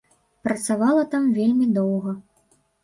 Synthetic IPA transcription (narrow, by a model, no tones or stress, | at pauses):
pɾɐt̪savalˠɐt̪amvʲelʲmʲid̪ɔwɣɐ